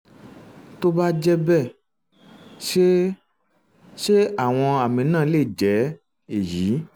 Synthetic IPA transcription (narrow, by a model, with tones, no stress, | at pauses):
to˦ba˦d͡ʒɛ˦bɛ˦˨ | ʃe˦ | ʃe˦a˦˨w̃ɔ̃˧a˨mĩ˨˦nãː˦˨˦le˦˨d͡ʒɛ˨˦ | e˦˨ji˨˦